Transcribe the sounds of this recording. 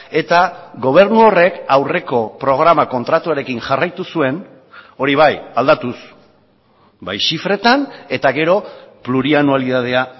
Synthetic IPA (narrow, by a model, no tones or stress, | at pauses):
e̞t̪aɡo̞β̞e̞ɾnuo̞re̞kawre̞ko̞pɾo̞ɣ̞ɾamako̞nt̪ɾat̪uaɾe̞kinʝarajt̪usue̞n | o̞ɾiβ̞ajald̪at̪us | bajʃifɾe̞t̪ane̞t̪aɣe̞ɾo̞pluɾianualiðað̞e̞a